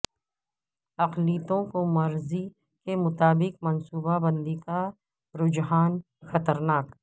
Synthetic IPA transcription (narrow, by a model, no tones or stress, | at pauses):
ɐqliːt̪õkomɐɾzi | kemʊt̪aːbɪqmɐnsuːbabɐ̃nd̪ika | ɾʊd͡ʒɦaːn | xɐt̪əɾnaːk